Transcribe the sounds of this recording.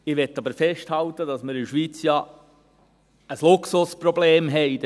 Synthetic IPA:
ɪʋɛtːɑbəɾfɛʃthɑlt̪ːədɑsməɾɪʃʋiːt͡sjɑ | əslʊksʊspɾɔbleːmɦɛɪt

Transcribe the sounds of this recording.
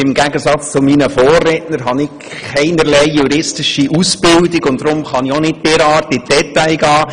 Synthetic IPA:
ɪmɡæɡəsɑt͡st͡sʊminəfoːrːɛtnəɾɦɑnɪk | kɛɪnəɾlɛɪjuɾɪstɪʃiʔusb̥ɪldɪɡʊnd̥ɾʊmχɑnionɪt̚peɾɑːrtɪd̥ɛt̪æɪɡɑː

